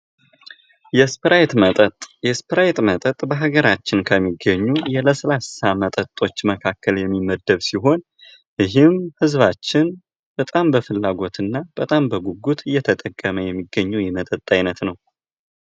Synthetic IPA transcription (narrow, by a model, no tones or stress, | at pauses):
jɛspɾajt̪ʼt̪jɛspɾajt̪ʼmət̪ʼət̪ʼbəɦaɡəɾat͡ʃːɪnkʰəmːiɡəɲːujɛləslassamət̪ʼət̪ʼːo̞t͡ʃːməkʰakːəljɛmːiməd̪ːəβsiɦo̞n | ɪɦɪmhɨzβat͡ʃːɪn | b̥ət̪ʼambəfɨlːaɡo̞t̪ɨnːab̥ət̪ʼambəɡuɡut̪ɨjːɛt̪ʰət̪ʼəkʼːəməjɛmːiɡːəɲːujɛmət̪ʼət̪ʼːajnət̪nəw